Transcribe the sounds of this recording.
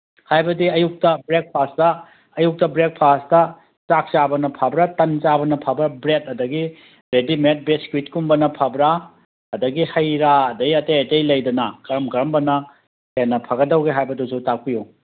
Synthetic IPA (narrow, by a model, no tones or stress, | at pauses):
hajbɐdiɐjuk̚tɐbɾek̚pʰastɐː | juk̚tɐbɾek̚pʰastɐ | t͡ʃak̚t͡ʃabɐnɐpʰabɾatɐnt͡ʃabɐnɐpʰabɾabɾet̚ɐdɐɡi | ɾedimet̚beskwit̚kumbɐnɐpʰabɾaː | dɐɡihɐjɾaɐdɐɡiɐtejetejlɐjdɐnɐkɐɾɐmkɐɾɐmbɐnɐ | henːɐpʰɐɡɐdɐwɡeɦajbɐdusutak̚piju